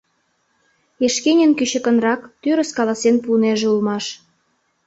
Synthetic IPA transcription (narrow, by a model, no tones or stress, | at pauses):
eʃkenʲənkyɕə̆kə̆nrɑkt̪yɾə̆skɑlɑsenpuneʒeulmɑʃ